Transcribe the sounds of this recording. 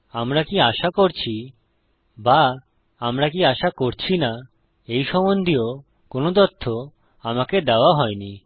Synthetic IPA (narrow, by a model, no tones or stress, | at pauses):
amɾakiaʃakoɾt͡ɕʰi | ba | amɾakiaʃakoɾt͡ɕʰina | ejʃɔmond̪ʱio | konod̪ɔt̪ʰːo | amaked̪eoaɦɔeni